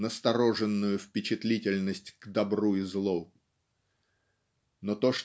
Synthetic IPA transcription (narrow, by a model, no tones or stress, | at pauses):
nəst̪ɐɾo̞ʐɨnːʊjʊfpʲɪt͡ɕɪt̪lʲitʲɪlʲnəsʲtʲɡ̥d̪ɐbɾuɪzlˠo | not̪o̞ʂ